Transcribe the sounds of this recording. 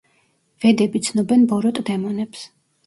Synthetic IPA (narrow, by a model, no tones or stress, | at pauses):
vɛd̪ɛbit̪sʰnɔbɛnbɔɾɔt̪ʼd̪ɛmɔnɛps